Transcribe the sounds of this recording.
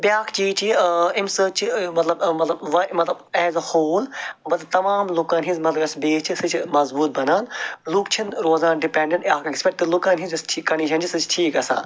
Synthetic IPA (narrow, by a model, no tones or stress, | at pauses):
bʲjaːkʰt͡ʃiːt͡ʃiɪmsəːt͡ʃimɐt̪lɐbmɐt̪lɐbʋɐmɐt̪lɐbɛːzɐhoːlmɐt̪lɐb̚t̪ɐmaːmlokãːnɦĩzmɐt̪lɐbɐsbeːst͡ʃʰisɨt͡ʃʰmɐzbuːt̪̚bɐnaːnlukt͡ʃʰinɾoːzaːnɖɪpẽɳɖə̃ɳʈaːkekspeʈ̚t̪elʊkãːnizsʈʰikɐɳiːʃʰɐnd͡ʒisɨt͡ʃʰʈʰiːkɐsã̰ː